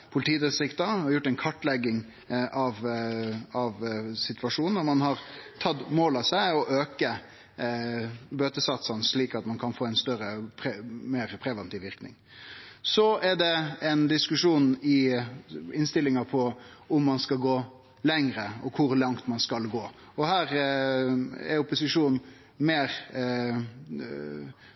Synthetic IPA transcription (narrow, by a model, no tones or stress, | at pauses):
pʰʊlɪt̪ʰiːd̪əsɪkt̪ɑɔɾjʊʈːɛɪnkʰɑʈːlɛɡːɪŋ | ʔɑʋ | ɑʋsɪt̪ʋɑʂuːnn̩ɔɾmɑnhɑɾt̪ʰɑt̪ːmoːlɑsæɪɔʔøːkə | bøːt̪əsɑt̪sɑnʂɭiːkɑt̪mɑnkʰɑnfoːɛɪnst̪œɾəpʰɛmeːɾpʰɾɛʋɛnt̪iːʋɪɾknɪ̰ŋ | sɔɛɾɖ̪ɛɛnd̪ɪskʉʂuːnɪ | ɪnst̪ɪlɪŋɑpʰɔʊmːɑnskɑlɡoː | lɛŋɾəɔkʰʊɾlɑŋt̪mɑnskɑlɡoː | ɔhæːɾ | ɛ̰ɾʊpːʊsɪʂuːn | meːɾ